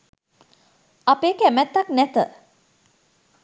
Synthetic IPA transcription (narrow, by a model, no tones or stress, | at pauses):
apeːkæmæt̪ːaknæt̪ə